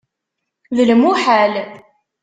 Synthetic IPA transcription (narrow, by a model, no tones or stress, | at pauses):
ðəlmuħal